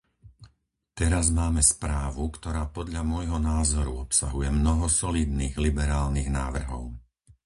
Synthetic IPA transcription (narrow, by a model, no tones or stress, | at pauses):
t̪ɛɾazmaːmɛspɾaːʋukt̪ɔɾaːpɔd̪ʎamʊɔjɦɔnaːzɔɾuɔpsa̰ɦujɛmnɔɦɔsɔliːd̪niːɣlibɛɾaːlniːɣna̰ːʋr̩ɦɔ̰ʊ